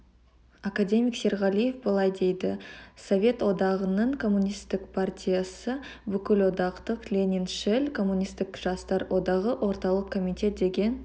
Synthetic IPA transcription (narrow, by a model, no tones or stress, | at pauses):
akad̪ʲe̞mʲijkse̞ɾʁɑlʲˠije̞fbəlˠɑjd̪e̞jd̪ɪso̞vʲe̞t̪wo̞d̪ɑʁənəɴkʰo̞mːunʲijst̪ɪkpʰart̪ʲʰijasəbʏkʲɪlwo̞d̪ɑqt̪əqlʲenʲinʃɪlʲkʰo̞mːunʲist̪ɪkʒ̥ɑst̪ɑɾwʔo̞d̪ɑʁəʔwʔo̞ɾt̪ɑlˠəqkʰːo̞mit̪ʲe̞t̪̚d̪e̞ɡʲe̞n